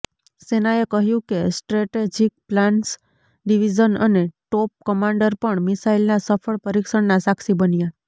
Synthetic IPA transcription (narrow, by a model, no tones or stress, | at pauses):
senaekəɦjũkesʈɾeʈed͡ʒik̚plãɳs | ɖiʋid͡ʒənə̰neʈop̚kəmãɳɖəɾpəɳmisailnasəfʰəɭpəɾikʃəɳnasaksibənja